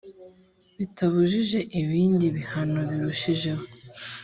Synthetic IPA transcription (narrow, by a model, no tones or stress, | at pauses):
βitʰaβuʒiʒe̞ʔiβiːndiβihano̞βiɾuʃiʒe̞ho